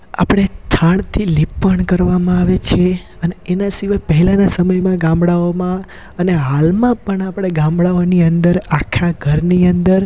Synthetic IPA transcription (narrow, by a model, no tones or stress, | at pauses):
a̰pɽ̃et̪ʰaɳ̃t̪ʰilipːəɳkəɾʋamãaʋet͡ʃʰe | əneːnasiʋajpəɦɛlãnasəməjmãɡãmbɽaomã | əneɦalmãpəɳapɽ̃eɡãmbɽaoniənd̪əɾakʰaɡʱəɾniənd̪əɾ